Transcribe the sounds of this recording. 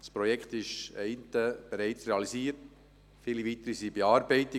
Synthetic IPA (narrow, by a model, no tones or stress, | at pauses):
dspɾɔjɛkχt̪ɪʃɛɪntəb̥ɛɾɛɪt͡sɾeɑlisiːəɾt | fiːliviːt̪əɾisibeɑːɾbɛɪti